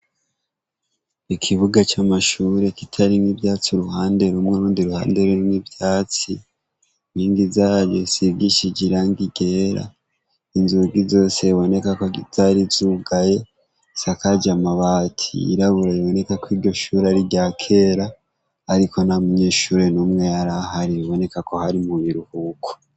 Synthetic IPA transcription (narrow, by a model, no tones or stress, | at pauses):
ikʰiβuɡat͡ʃamaʃuɾe̞kitʰaɾimibjaːt͡siɾuhaːnde̞ɾumŋeɾuːndiɾuha̰ːnde̞ɾuɾimibjaːt͡si | miːŋɡizaːɾɟosibɡiʃid͡ʒiɾaŋɡiɡe̞ːɾa̰ | inzuɡizo̞seβo̞ne̞kakoiz̥aɾizuɡaje̞ | sakad͡ʒamaβaːtʰiḭɾaβuɾajiβo̞ne̞kakwiːɾɟo̞ʃuɾeaɾiɟakʰe̞ɾaː | ɾiko̞namuɲe̞ːʃuːɾenumŋe̞jaɾahaɾiβiβo̞ne̞kako̞haɾimuβiɾuhukʰo̥